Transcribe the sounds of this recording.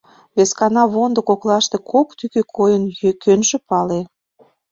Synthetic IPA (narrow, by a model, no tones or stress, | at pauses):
βeskɑnɑβond̪ə̆koklɑʃt̪ekʰokt̪ykøkʰojənjøkønʒĕpɑle